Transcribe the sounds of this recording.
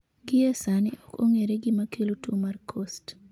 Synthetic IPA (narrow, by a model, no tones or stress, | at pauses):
ɡɪɛsanɪʔɔko̰ŋeɾeɡɪmakʰelotumarkʰost